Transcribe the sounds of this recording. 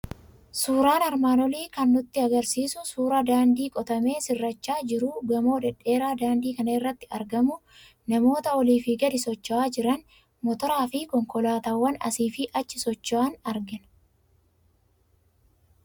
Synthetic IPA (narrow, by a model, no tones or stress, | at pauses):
suːɾaːnɐɾmaːnɔliːkɐnːʊt̪ːɪɐɡɐɾsiːsʊsuːɾɐd̪aːnd̪iːkʼɔt̪ɐme̞ːsɪrːɐt͡ʃːaːd͡ʒɪɾuːɡɐmo̞ːd̪ɛᶑːe̞ːɾaːd̪aːnd̪iːkɐnɐɪrːɐt̪ːɪɐɾɡɐmʊ | nɐmo̞ːt̪ɐɔliːfɪɡɐd̪ɪsɔt͡ʃːɐaːd͡ʒɪɾɐn | mɔt̪ɔɾaːfɪkɔŋkɔlaːt̪ɐwːɐnɐ̰siːfɪʔɐt͡ʃːɪsɔt͡ʃːɐaːnɐɾɡɪnɐ̥